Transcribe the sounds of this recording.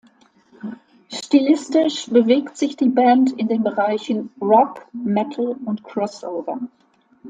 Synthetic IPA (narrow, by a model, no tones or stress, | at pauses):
ʃtilɪstɪʃb̥əveːktz̥ɪçd̥iːbɛntɪndeːnbəʁaɪçn̩ʁɔpmɛtʰl̩ʊntkʁ̥ɔsʔoʊvɐ